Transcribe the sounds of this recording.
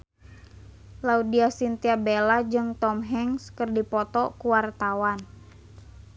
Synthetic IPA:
laudiasint̪iabelad͡ʒɨŋt̪ɔmɦɛŋskɨrdipɔt̪ɔkuwart̪awan

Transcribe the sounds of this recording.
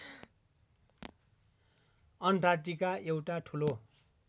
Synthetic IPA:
ʌnʈarʈ̬ikaʔewʈaʈʰulo

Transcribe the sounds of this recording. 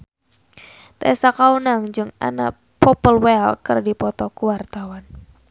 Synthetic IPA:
t̪ɛsakaunaŋd͡ʒɨŋa̰na̰ | pɔpəlwɛlkɨrdipɔt̪ɔkuwart̪awan

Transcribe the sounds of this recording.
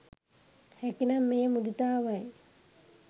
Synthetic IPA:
hækinamːejmud̪it̪aːʋaj

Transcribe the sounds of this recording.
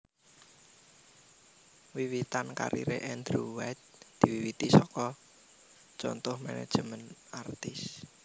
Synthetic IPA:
wiwit̪anka̰ɾḭɾeʔɛnd̪ɾuwɛt̪̚d̪̥iwiwit̪isɔkɔ | t͡ʃɔnt̪ʊhmɛnɛ̰d̥ʒ̥əmənart̪ɪs

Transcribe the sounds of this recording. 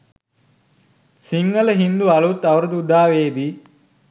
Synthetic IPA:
siŋɡɐlɐɦind̪uɐlut̪ːɐʋɾɐd̪ud̪aːʋeːd̪i

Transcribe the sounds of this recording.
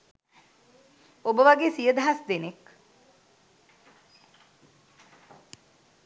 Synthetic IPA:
obəʋaɡeːsijəd̪aɦasd̪enek

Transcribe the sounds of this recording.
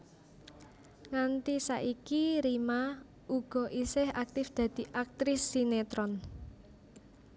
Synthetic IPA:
ŋant̪isa̰ʔikiɾima | uɡ̥ɔ̤ʔisɪhak̚t̪ɪfd̪̥ä̤d̪̥i̤ʔak̚t̪ɾɪsːinet̪ɾɔn

